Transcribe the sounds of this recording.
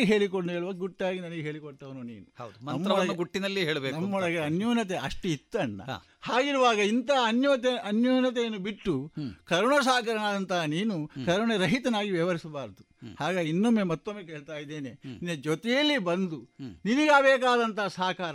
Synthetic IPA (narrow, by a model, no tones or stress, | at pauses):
eɦe̞ːɭikoɳɖueːɭuʋɐɡɡuʈːiaːɡinɐnɐɡeɦe̞ːɭikɔɽt̪ːɐʋɐnunḭːnuhɐ̰wd̪umɐnɐmːɐɔɐɭɐɡnːɐɡuʈːinɐlːiɦeːɭɐbeknɐmmːɔɭɐɡeɐnjɔːnɐt̪eʔɐʂʈuit̪ːɐɳːɐ̰ | haːɡiɾuʋaːɡɐint̪aɐnjɔt̪eɐnjɔːnɐt̪ejɐnːubiʈːukɐɾɐɳɐsaːkɐɾɐnaːd̪ɐnt̪ɐɦɐniːnukɐɾɐɳɐɾɐɦit̪ɐnaːɡiʋjɐʋɐɾisɐbaːɾd̪uhaːɡeinːomːemɐt̪ːomːekeːɭt̪aːjid̪ːeːnenined͡ʒɔt̪ɛjɐlːibɐnd̪uniniɡaːbɛːkaːd̪ɐnt̪ɐɦɐsaːkaːɾɐ